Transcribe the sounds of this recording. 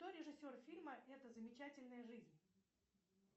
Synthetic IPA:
t̪oɾʲɪʐɨsʲo̞rfʲilʲməʔɛt̪əzəmʲɪt͡ɕætʲɪlʲnəjəʐɨzʲnʲ

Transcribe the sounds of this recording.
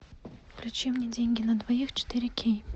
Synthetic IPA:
klʲut͡ɕemnʲɪdʲenʲɡʲɪnɐd̪vɐjixt͡ɕɪ̥t̪ɨɾʲɪkʲʰej

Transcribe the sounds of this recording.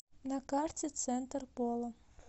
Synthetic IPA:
nɐkɑrt͡sʲit̪sɛnt̪rpɔlˠɐ

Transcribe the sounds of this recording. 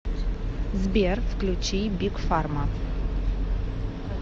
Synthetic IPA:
zbʲerfklʲut͡ʃijbikfarma

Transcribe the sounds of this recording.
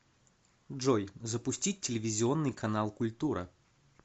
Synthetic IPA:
ʐojzəpʊsʲtʲit̚ʲtʲːɪlʲɪvʲɪzʲɪo̞nːɨjkɐnalˠkʊlʲt̪uɾɨ̰

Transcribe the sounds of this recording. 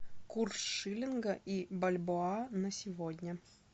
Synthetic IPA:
kursʂɨlʲɪnɡəʔibɐlʲboanəsʲɪvodʲnʲə

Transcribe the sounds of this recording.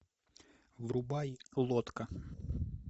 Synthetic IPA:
vrʊbajlˠɔt̪kɐ

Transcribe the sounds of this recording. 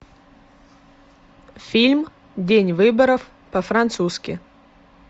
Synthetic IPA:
fʲilʲm | dʲenʲvɨbəɾəf | pəfɾɐnt̪suskʲɪ

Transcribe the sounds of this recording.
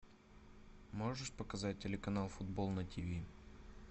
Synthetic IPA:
moʐɨʂpəkɐzat̚ʲtʲːɪlʲɪkɐnalˠfʊd̪̚bolˠnɐtʲivʲi

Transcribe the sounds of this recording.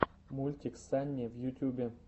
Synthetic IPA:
mulʲt̪ʲiksanʲːevjut̪ʲjubʲe

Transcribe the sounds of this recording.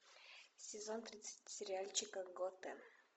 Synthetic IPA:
sʲɪzont̪ɾʲit̪sɨ̥tʲsʲɪɾʲɪalʲt͡ʃɪkəɡot̪ɛ

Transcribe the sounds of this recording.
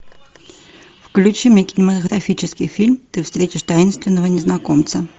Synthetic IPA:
fklʲut͡ɕimʲəkʲɪnʲɪmət̪əɣɾɐfʲit͡ɕɪskʲɪjfʲilʲmt̪ɨfst̪ɾʲetʲɪʂt̪ajɪnst̪vʲɪnːəvənʲɪznɐkomt̪sə

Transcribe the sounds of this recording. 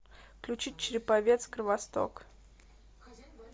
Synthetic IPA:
klʲut͡ɕit̚ʲt͡ɕɾʲɪpavʲet̪skɾvɐst̪o̰k

